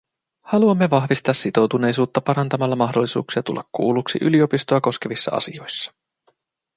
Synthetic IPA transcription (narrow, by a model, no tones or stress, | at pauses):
hɑluɑmːe̞ʋɑxʋist̪ɑːsːit̪o̞wt̪une̞jsuːt̪ːɑpɑɾɑnt̪ɑmɑlːɑmɑɦdo̞lːisṵːksiɑt̪ṵlːɑkkːṵːluksḭʔy̰liopist̪oɑko̞ske̞ʋisːɑ̰ɑ̰sio̞jsːɑ̥